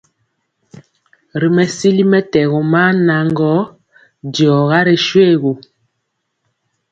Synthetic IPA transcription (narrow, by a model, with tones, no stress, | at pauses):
ɾi˨mɛ˨si˦li˦mɛ˦tɛ˨ɣɔ˨ma˦na˨ŋɡɔ˦ | djɔ˨ɣa˦ɾe˨ʃwe˦˨ɣo˨